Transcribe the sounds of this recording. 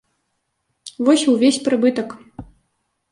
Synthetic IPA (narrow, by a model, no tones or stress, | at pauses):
vɔsʲuvʲesʲpɾɨbɨt̪ɐk